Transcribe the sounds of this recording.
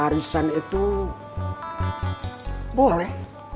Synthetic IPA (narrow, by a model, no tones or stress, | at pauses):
aɾisanet̪u | bolɛh